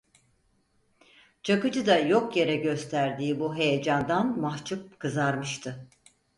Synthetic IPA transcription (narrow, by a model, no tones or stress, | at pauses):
t͡ʃʰakɯd͡ʒɯd̪ajo̞kje̞ɾɛɟø̞st̪ʰæɾd̪iːbuɦe̞jed͡ʒand̪anmaht͡ʃʰɯp̚kʰɯzaɾmɯʃt̪ʰɯ